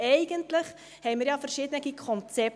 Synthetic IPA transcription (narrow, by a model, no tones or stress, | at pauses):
ɛɪɡ̥əntləχ | hɛɪmiːɾjɑːfəɾʃiːd̪ənɛɡikʰɔnt͡sɛp̚